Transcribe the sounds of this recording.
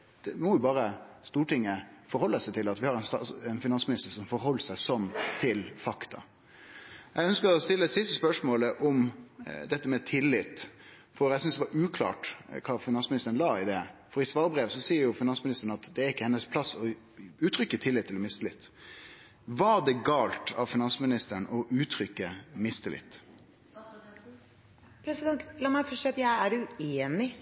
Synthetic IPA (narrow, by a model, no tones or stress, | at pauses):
d̪̥ɛmɔjʊbɑːɾəst̪uːʈɪŋːəfɔɾhɔlːəsæɪt̪ʰɪlɑt̪ʋɪhɑɾɛɪnst̪ɑɛnfɪnɑnsmɪnɪst̪əʂɔmfɔɾɦɔlːəsæɪsɔmt̪ʰɪlfɑkt̪ʰɑ̰ | jʔæɛɡœnskəɾɔst̪ɪlːəsɪst̪əspœʂmoːləʔɔmd̪ɛt̪ːəmɛt̪ʰɪlːɪt̪ː | fɔɾæɛsʏnsd̪ɛʋɑɾʉːkʰlɑ̰ːʈkʰɑːfɪnɑnsmɪnɪst̪əɾənlɑːɪd̪ɛfɔɾɪsʋɑːɾbɾeːʋsɔsiːəɾjʊfɪnɑnsmɪnɪst̪əɳəɑt̪d̪ɛæɾɪkːəhɛnːəspʰlɑsːɔ | ʉːt̪ʰɾʏkːət̪ʰɪlːɪt̪ʰːɪlɔmɪst̪əlɪt̪ː | ʋɑd̪ɛɡɑːlt̪ʰɑʋfɪnɑnsmɪnɪst̪əɳʔɔʔʉːt̪ʰɾʏkːəmɪst̪əlɪ̰t̪ː | pʰɾɛsɪd̪ɛnt̪lɑːmæɪfɔsiːɑt̪jæɪæɖʉeːnɪ